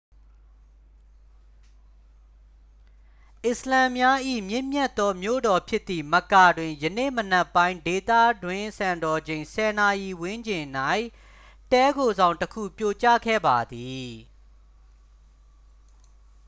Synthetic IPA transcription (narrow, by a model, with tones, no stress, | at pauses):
ʔɪ˨səlã˨mja˦ʔḭ˦˨mjɪ̃˦˨mjɛ˦t̪ːɔ˦mjo̰˦˨dɔ˨pʰjɪ˦t̪ːi˨mə˨ka˨dwɪ̃˨jənḛ˦˨mənɛ˦pːã˦ɪ̃nde˨t̪ä̰˦˨dwɪ̃˦˨sã˨ndɔ˨d͡ʑẽ˨ɪ̃sʰɛ˨na˨ji˨wɪ̃˦ɲd͡ʑɪ̃˨na˦˨ɪ̃ | tɛ˦ɡo˨zã˨ʊ̃təkʰṵ˦˨pjo˨t͡ɕa̰˦˨ɡʰɛ̰˦˨ba˨d̪i˨